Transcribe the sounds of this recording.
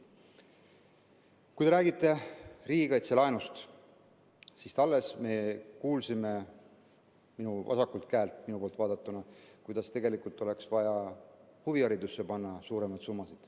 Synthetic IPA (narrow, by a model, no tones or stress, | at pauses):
kujd̪e̞ɾæːɡit̪ːˑe̞riːɡ̥ɑjt̪selɑenust̪ | sist̪ɑlːe̞sme̞kuːlsime̞ | minuvɑ̰sɑkːult̪kæːlt̪minupoːlt̪vɑːd̪ɑt̪ːˑunɑkujd̪̥ɑst̪e̞ɡe̞likult̪ˑːo̞le̞ksvɑjɑhuviɑɾid̪usːepɑnːɑsuːɾe̞mɑjd̪sumːɑsid̪̥